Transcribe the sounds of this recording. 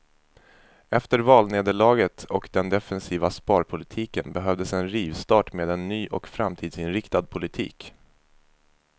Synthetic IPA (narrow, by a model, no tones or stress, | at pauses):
ɛft̪əɾvɑːlneːd̪əɭɑːɡət̪ɔkd̪ɛnd̪ɛfɛnsiːvaspɑːɾpʰʊlɪt̪ʰiːkənbɛɦœvd̪əsɛnɾiːvst̪ɑːʈmeːd̪ɛnːyːʔɔkfɾamt̪ʰiːd̪sɪnɾɪkt̪ad̪̚pʰʊlɪt̪ʰḭːk